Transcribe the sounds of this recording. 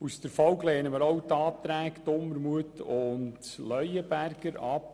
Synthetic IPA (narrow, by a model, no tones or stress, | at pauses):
usd̥̪əɾfɔwɡleːnəməɾɔwt̪ɑːt̪ɾæːkt̪ʊmːəɾmuətʊntlœjəbærɡ̥əɾɑp